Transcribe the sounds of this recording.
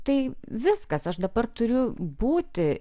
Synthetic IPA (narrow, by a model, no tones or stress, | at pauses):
t̪ɐɪʋʲɪskɐsɐʃd̪ɐbɐrt̪ʊɾʲʊbuːt̪ʲɪ